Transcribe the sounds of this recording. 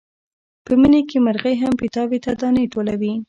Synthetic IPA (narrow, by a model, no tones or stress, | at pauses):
pəmənekeməɾɣəjɦampɪt̪ɑbet̪ad̪ɑneʈolawi